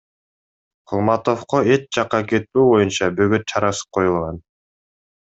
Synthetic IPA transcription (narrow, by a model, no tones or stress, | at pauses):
qʰulˠmɑt̪o̞fqoet͡ʃ̚d͡ʒɑqːɑke̞t̪̚tuːbo̞junt͡ʃɑbøɡøt̪̚t͡ʃʰɑɾɑsɯ̥p̚qʰo̞julˠʁɑn